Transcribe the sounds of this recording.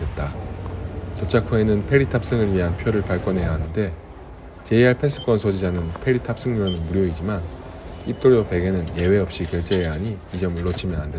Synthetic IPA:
et̚t͈a | tot͡ɕʰakʰue̞nɯnpʰe̞ɾitʰap̚s͈ɯŋɯɭɥiɦanpʰjoɾɯɭpaɭk͈ʌnɦe̞jaɦanɯnde̞ | t͡ɕe̞iɦaɭpʰe̞s͈ʰɯ̥k͈wʌnsʰod͡ʑid͡ʑanɯnpʰe̞ɾitʰap̚s͈ɯŋɲuɾnɯnmuɾjoid͡ʑiman | ip̚t͈oɾope̞ɡe̞nɯnje̞we̞ʌp̚ɕ͈ikjʌɭt͡ɕ͈eːɦaɲiːd͡ʑʌmɯɭːʌt͡ɕʰimjʌnande

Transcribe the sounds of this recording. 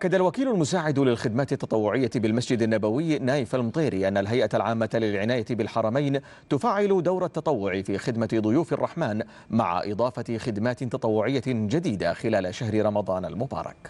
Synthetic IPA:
ʔakːad̪alwakiːlʊlmʊsaːʕɪd̪lɪlxɪd̪maːt̪ɪt̪ːɑ̥t̪ˤɑwːʊʕɪjːabɪlmasd͡ʒɪd̪anːabawɪjːnaːjɪfalmt̪ˤeːɾiʔanːalɦajʔalʕaːmːalɪlʕɪnaːjabɪlħɑɾˤɑmajn | t̪ʊfaːʕɪlʊd̪awɾˤat̪ːɑt̪ˤɑwːʊʕifiːxɪd̪mad̪ˤʊjuːfɑrˤːɑħmaːn | ma̰ʕa̰ʔɪ̰d̪ˤɑːfɑxɪd̪maːt̪t̪ɑt̪ˤɑwːʊʕɪjːad͡ʒad̪iːd̪axɪlaːlaʃahɾɪɾˤɑmɑd̪ˤɑːna̰lmʊbɑ̰ːɾˤɑ̰k

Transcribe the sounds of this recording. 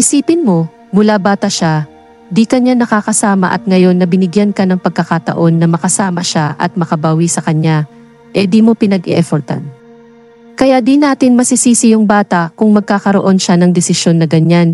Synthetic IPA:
ʔɪsiːpɪnmo̞ | mʊlabaːt̪ɐʃa | d̪ikɐɲanɐkaːkɐsaːmɐ̰ʔɐ̰t̪̚ŋɐjo̞nːɐbɪnɪɡjankɐnɐŋpɐɡ̚kɐkat̪ɐ̰ʔo̞nːɐmɐkɐsaːmɐʃaʔɐ̰t̪̚mɐkɐbaːwisɐkɐɲja | ʔɛd̪iːmo̞pɪnɐɡɛ̰ʔɛfoɾt̪a̰n | kɐjaʔd̪inaːt̪ɪnmɐsisiːsɪjoŋbaːt̪ɐʔkʊŋmɐɡ̚kaːkɐɾoʔo̞nʃanɐŋd̪ɛsɪʃo̞nːɐɡɐɲan

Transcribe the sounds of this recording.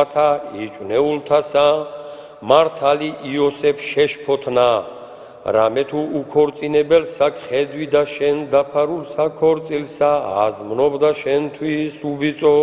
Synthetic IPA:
t̪ʰait͡ʃʼwnɛult̪ʰasa | maɾt̪ʰaliʔiɔsɛpʰʃɛʃpʰɔt̪ʰna | ɾa̰mɛt̪ʰuːkʰɔɾt̪sʼinɛbɛlsakʰʼχɛd̪wid̪aʃɛnd̪apʰaɾulsakʰɔɾt̪sʼilsaa̰zmnɔbd̪aʃɛnt̪ʰwisubit̪sʼɔ

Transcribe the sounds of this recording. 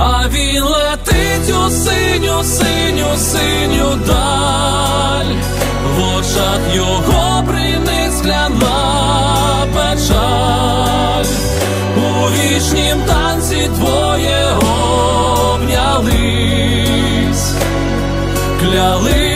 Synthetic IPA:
ɐ | ʋʲi | lˠɛt̪ɪ | tʲusɪ | nʲʊsɪ | nʲʊsɪ | nʲʊd̪a | lʲ | ʋɔt͡ʃɐt̪jɔ | ɦɔ | pɾɪnɪsklʲɐna | pɛt͡ʃa | lʲ | u | ʋʲit͡ʃnʲimt̪ɑnt͡sʲit̪ʋɔ | jɛ | ɦɔ | bnʲɐlˠɪ | sʲ | klʲalˠɪ

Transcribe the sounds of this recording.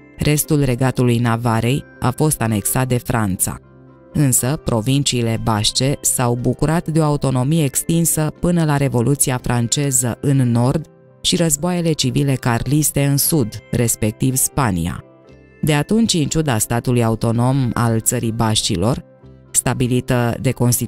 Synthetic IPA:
ɾʔe̞st̪ulre̞ɡat̪ulujnavaɾe̞j | a̰fo̞st̪ane̞ksat̪̚d̪e̞fɾʔant̪sa̰ | ɨnsəpɾo̞vint͡ʃiːle̞baʃt͡ʃe̞sawbukuɾat̪d̪eo̞aut̪o̞no̞mijeːkst̪insəpɨnəlaɾe̞vo̞lut̪siafɾant͡ʃe̞zəʔɨnːo̞rd̪ | ʃiɾəzboaje̞le̞t͡ʃivile̞karlist̪e̞ɨnsud̪re̞spe̞k̚t̪ivspanḭa̰ | d̪e̞at̪unt͡ʃʲɨnt͡ʃud̪ast̪at̪ulujaut̪o̞no̞ma̰lt̪səɾibaʃt͡ʃilo̞r | st̪abilit̪əd̪e̞ko̞nst̪i

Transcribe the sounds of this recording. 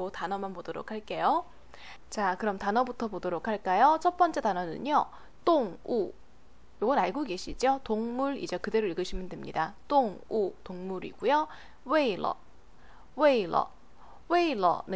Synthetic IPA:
otanʌmanpodoɾo̰kʰaɭk͈e̞jo | t͡ɕakɯɾʌmtanʌbutʰʌpodoɾokʰaɭk͈ajot͡ɕʰʌt̚p͈ʌnt͡ɕ͈e̞tanʌnɯ̰ɲo | t͈oŋu | oɡʌnaɭɡoɡe̞ɕʰid͡ʑiotoŋmuɾḭd͡ʑe̞kɯde̞ɾoiɭɡɯɕʰimjɯndwemɲidat͈oŋutoŋmuɾḭɡ̥ujo | weilːʌ̰ | weiɭːʌ̰ | we̞ilːʌ̰nɯ

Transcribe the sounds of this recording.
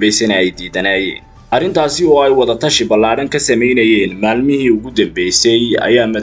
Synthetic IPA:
bɛjsɐnɐɛjd̪iːðɐnaːjɛ̰ːn | ʔɐrɪnt̪ʰaːsɪɔːɛjwɑðɐt̪ʰɐʃɪbɐlːaːɽɐŋkʰɐsɐmɛjnɐjɛːnmaːlmɪɦiːʊɣʊd̪ɐmbɛjsɛjɐ̰jaːmɐ

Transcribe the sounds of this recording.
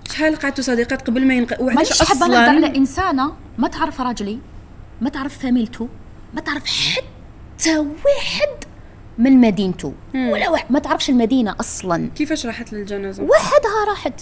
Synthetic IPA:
ħalqɑʕad̪̚usˤɑd̪iqɑt̪qɑbəlmæjənqɑwaɑħəbːænlʕlæʔənsæna | mæt̪əʕɾˤəfɾˤɑd͡ʒli | mæt̪əʕɾəffæməlt̪ʰu | mæt̪əʕɾˤəfħat̪ː | awaħəd̪ | mənmæd̪int̪ṵ | wəlːæwaħmæt̪əʕɾəfʃəlmæd̪inaʔɑsˤlɑnkəfæʃɾˤɑħat̪ləlʒænæzwaħəd̪hæɾˤɑħəd̪

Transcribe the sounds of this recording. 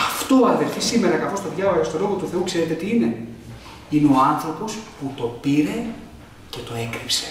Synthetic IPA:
ɐft̪oːɐðe̞lfisime̞ɾɐkɐθo̞st̪o̞ðʝɐvɐɐst̪o̞lo̞ɣot̪uθe̞ukse̞ɾe̞t̪et̪iine̞ | ineoɐnθɾo̞po̞sput̪o̞piɾe̞ | ce̞t̪o̞e̞kɾipse̞̥

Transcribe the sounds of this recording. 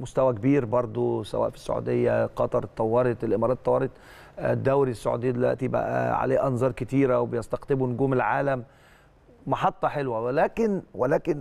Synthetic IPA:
mʊst̪æwækbiːɾbɑɾˤd̪ˤosæ̰wæːʔfi̥sːʊ̰ʕṵːd̪ejːæqɑt̪ˤɑɾˤt̪ˤːɑwːɑɾˤɑt̪ˤɪlʔɪmɑɾˤɑːt̪ːˤɑwːɑɾˤet̪ˤ | d̪ːæwɾisːʊʕṵd̪eɪjːæd̪elwæ̰ʔt̪ibæ̰ʔæ̰ʕa̰leːʔɑnzˤɑːɾˤkɪt̪iːɾæwebɪjɑst̪ɑqt̪ɪbunɡuːmelʕaːlæmː | ɑħɑt̪ˤːɑħelwæwlæːkɪnwelæːkɪn

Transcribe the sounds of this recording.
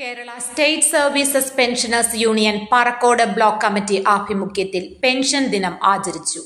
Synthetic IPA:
ke̞ːɾɐɭɐsʈejʈsɐrʋiːsɐspenʂɐnɐrsjuːɳijɐnpɐrɐkːo̞ːɽɐbɭoːkːɐmitːiʔaːbʱimukʰjɐt̪ːilpe̞nʂɐnd̪inɐmaːt͡ɕɐɾit͡ɕːu

